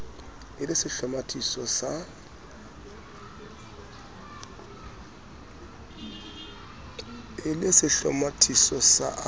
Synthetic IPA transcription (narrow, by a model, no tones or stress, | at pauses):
ɪlɪsɪɬɔmatʰʼisɔsa | ɪlɪsɪɬɔmatʰʼisɔsa̰ʔ